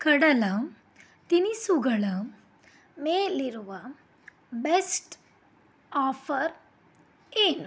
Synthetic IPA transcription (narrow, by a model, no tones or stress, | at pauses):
kəɽala | t̪inisuɡɭa | meliɾʋa | besʈ | ɔfəɾ | en